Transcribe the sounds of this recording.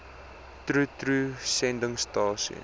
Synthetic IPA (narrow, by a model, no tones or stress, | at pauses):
trutrusɛndəŋstɑːsiə̰